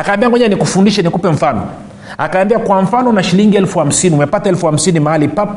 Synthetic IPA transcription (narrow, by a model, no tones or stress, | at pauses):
akaːmbiaŋɔɲanikufundiʃɛnikupɛɱ̩fanɔ̰ | a̰kaːmbiakwaɱ̩fanɔnaʃiliŋɡiɛlfuham̩siniumɛpataɛlfuham̩sinimahalipap